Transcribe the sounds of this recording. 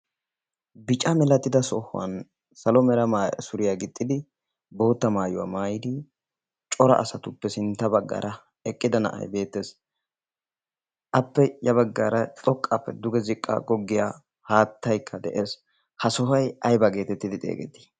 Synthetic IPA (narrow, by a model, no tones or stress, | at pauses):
bɪt͡ʃʼɐmɛlɐt̪ːɪd̪ɐsɔhʊ̰ɐ̰n | sɐlɔmɛɾɐmasʊɾɪjaɡɪt̪ʼːɪd̪ɪ | bo̞ːt̪ːɐmaːjʊwa̰maːjɪd̪ɪ | t͡ʃʼɔɾɐ̰ʔːsɐt̪ʊpːɛsɪnt̪ːɐbɐɡːɐ̰ːɾɐ | ɛkʼːɪd̪ɐnɐ̰ʔɐ̰jbe̞ːt̪ːe̞ːs | ʔɐpːɛjɐbɐɡːɐːɾɐt̪ʼɔkʼːɐpːɛ̰d̪ʊɡɛzɪkʼːɐ̰ɡɔɡːɪjaː | haːt̪ːɐjkʰːɐd̪ɛʔe̞ːs | hɐsɔfɐjɐjbɐɡe̞ːt̪ɛt̪ːɪd̪ɪt̪ʼḛːɡɛ̰t̪ːɪ̥